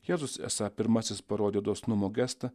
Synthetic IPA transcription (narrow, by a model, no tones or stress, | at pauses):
jeːzʊsɛ̰sɑpʲɪɾmɐsʲɪspɐɾoːd̪ʲeːd̪oːsnʊmoːɡʲæst̪ɐ